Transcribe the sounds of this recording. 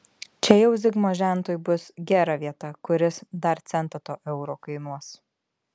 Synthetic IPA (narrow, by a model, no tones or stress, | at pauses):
t͡ʃʲɛjɛʊzʲɪɡmoːʒʲæˑnt̪oːjbʊsɡʲæːɾɐʋʲiɛt̪ɐkʊɾʲɪsd̪ɐɾt̪sʲɛnt̪ɐt̪oːʔɛʊɾoːkɐɪnuɔs